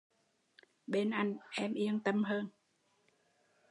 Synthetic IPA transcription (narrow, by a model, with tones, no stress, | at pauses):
ɓe˧nʔa˧jŋ̟ʔɛ˧mʔi˧ənt̪ə˧mɦəː˧n